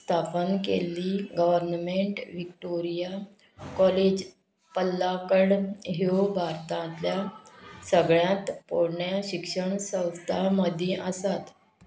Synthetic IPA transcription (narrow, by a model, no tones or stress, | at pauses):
st̪ʰapənkḛlːiɡəʋəɾnmeɳʈʋikʈoɾija | kɔled͡ʑ | pəlːakəɽɦeobʱaɾt̪ãt̪ljasəɡɭjãt̪poɽɳjaɕikʂəɳsə̃w̃st̪ʰaməd̪ʱjeʔəsat̪